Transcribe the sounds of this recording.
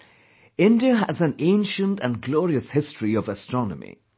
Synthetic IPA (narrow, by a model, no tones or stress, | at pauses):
ɪ̃ndiəɦəzə̃nẽɪ̃nʃə̃ntə̃nɡlɔːɹiəshɪstɹ̥iʌvəstɹ̥ɔnə̰mḭ